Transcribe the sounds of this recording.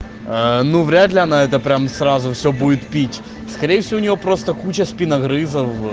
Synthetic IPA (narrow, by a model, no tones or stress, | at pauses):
ənuvɾʲad̪lʲɪɐnaɛt̪əpɾʲamsrazʊfsʲɵbudʲɪt̪pʲitʲ | skɐɾʲejəfsʲɪvoʊnʲɪvo̞pɾo̞st̪əkut͡ɕəspʲinɐɣɾɨzəf